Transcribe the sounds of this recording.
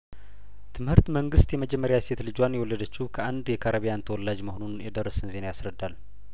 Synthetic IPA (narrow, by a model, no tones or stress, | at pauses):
t̪ʰɨmhɨɾt̪məŋɡɨst̪jɛməd͡ʒɛmːəɾjaset̪lɨd͡ʒwanjɛwɔlːəd̪ət͡ʃːɪhukʰəʔand̪jɛkʰaɾəβijant̪ʰəwɔlːad͡ʒməhonunjɛd̪ərːəsɨnze̞najasɾəd̪ːal